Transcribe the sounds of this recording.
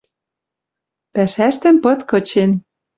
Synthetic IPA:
pæʃæʃt̪ɘ̆mpɤ̆t̪kɤ̆t͡ɕen

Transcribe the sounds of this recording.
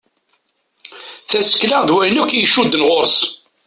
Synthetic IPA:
θæsə̥klaʁðwæjnukːjʃud̪ːnʁoɾs

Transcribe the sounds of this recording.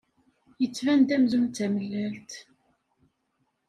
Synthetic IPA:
jət͡sːvænd̪æmzunt͡sːæməlːælt̪

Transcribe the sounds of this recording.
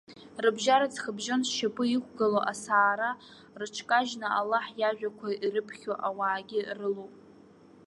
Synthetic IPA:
rɨbʒaɾat͡sʰχəbʒonʃapʼɨikʷɡaloʔasaːɾa | rɨʈ͡ʂʰkʼaʒnaalːaħjaʒᶣakʷʰairɨpʰχʲoʔawaːɡʲɪrɨlowpʼ

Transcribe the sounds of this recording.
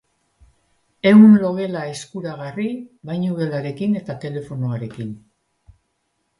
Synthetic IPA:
e̞wunlo̞ɣe̞laeskuɾaɣ̞ariβajɲuβe̞laɾe̞kine̞t̪at̪e̞le̞fo̞noaɾe̞kin

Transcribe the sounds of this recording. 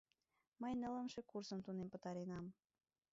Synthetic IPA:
məjnə̆lə̆mʃekursəmt̪unempə̆t̪ɑɾenɑm

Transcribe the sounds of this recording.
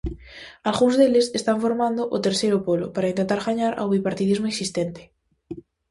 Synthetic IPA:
alɣũŋzðelesest̪aɱfoɾmãnd̪oʔot̪eɾsejɾopolo̰paɾaint̪ent̪aɾɣaɲaɾʔa̰wβipaɾt̪iðizmoeksist̪ent̪e̥

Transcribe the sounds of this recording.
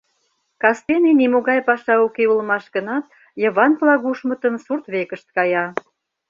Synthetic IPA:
kɑst̪enenimoɣɑjpɑʃɑokeulmɑʃɣənɑt̪̚ | jəβɑnplɑɣuʃmət̪əmsurt̪βekəʃt̪̚kɑjɑ

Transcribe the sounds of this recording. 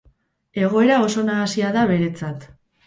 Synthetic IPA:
e̞ɣ̞o̞e̞ɾao̞so̞naːsiaðaβe̞ɾe̞t͡sat̪

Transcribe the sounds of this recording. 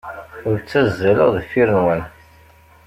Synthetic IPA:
ʊɾt͡sːæzːæləʁðfiɾənwən

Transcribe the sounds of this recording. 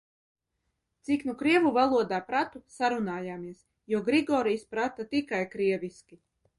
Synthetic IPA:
t̪siknukɾiɛvuvalˠuɔd̪aːpɾat̪usaɾunaːjaːmiɛs | juɔɡɾiɡɔːɾijspɾat̪at̪ikajkɾiɛviskʲi

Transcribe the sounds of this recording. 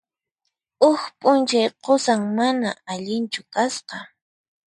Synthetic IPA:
ʊxpʼʊnt͡ʃajqosaŋmanaaʎɪnt͡ʃʊkasqɑ

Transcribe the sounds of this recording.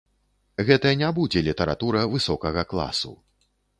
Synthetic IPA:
ɣɛt̪ɐjɐnʲabud͡zʲɛlʲit̪ɛɾa̰t̪uɾɐvɨsɔkɐɣɐklˠa̰sṵ

